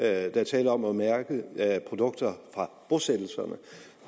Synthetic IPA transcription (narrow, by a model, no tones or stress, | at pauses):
d̥æt͡sʰɛːləɒ̽mɒmæɐɡ̥əpʰʁo̝d̥ɔ̽ɡ̥̚d̥ɐfʁɑ̈b̥o̝sed̥l̩sɐnə